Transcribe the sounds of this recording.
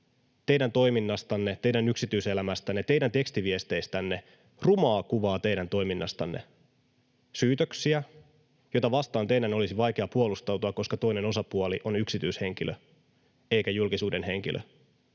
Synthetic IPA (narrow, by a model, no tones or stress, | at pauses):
t̪e̞jdænt̪o̞iminːɑst̪ɑnːe̞t̪ejdænyksit̪yise̞læmæst̪ænːet̪e̞idænt̪e̞kst̪iʋiest̪e̞ist̪ænːe | rumɑːkuʋɑːt̪e̞jdænt̪o̞iminːɑst̪ɑnːe̞̰ | syːt̪øksiæ | jo̞jt̪ɑʋɑst̪ɑːnt̪e̞idæno̞lisiʋɑjk̟eɑpuolust̪ɑwt̪uɑkːo̞skɑt̪o̞ine̞no̞sɑpuolḭʔo̞nyksit̪yˑshe̞ŋk̟ilʔø̰ | e̞jkæjulkisuːde̞nɦe̞ŋkḭlʔø̰